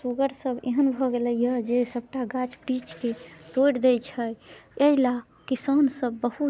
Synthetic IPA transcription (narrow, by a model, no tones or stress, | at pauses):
suɡəɾsəbeɦənbʱɔɡeləjəd͡ʒesəb̚ʈaɡat͡ʃpɾit͡ʃket̪oɽd̪ɛjt͡ʃʰəjəila | kisənsəbːəɦu